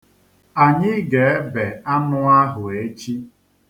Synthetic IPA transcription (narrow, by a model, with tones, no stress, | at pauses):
a˨ɲɪ˦ɡe˨e˦be˨a˦nʊ˦a˦ɦʊ˨e˦t͡ʃi˦